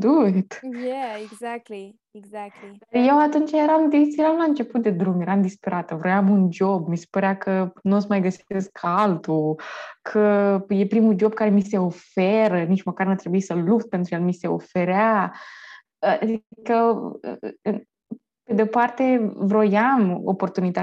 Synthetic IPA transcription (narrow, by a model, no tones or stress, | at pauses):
d̪ut̪jaeɡzak̚t̪li | eɡzak̪̚lid̪arje̞wat̪unt͡ʃjeɾamd̪esieɾamlaɨnt͡ʃe̞put̪̚d̪e̞d̪ɾumjeɾamd̪ispe̞ɾat̪əvɾo̞jamund͡ʒo̞bmise̥pəɾeakʰənuosmajɡəseskkʰaalt̪ukʰəje̞pɾimud͡ʒo̞b̚kaɾe̞mise̞o̞feɾənit͡ʃməkarnat̪ɾe̞buisəluk̚t̪̚pent̪ɾujelmise̞o̞̰fe̞ɾea | ad̪ikə̰ | pe̞d̪eo̞part̪e̞vɾo̞jamo̰po̞rt̪unit̪a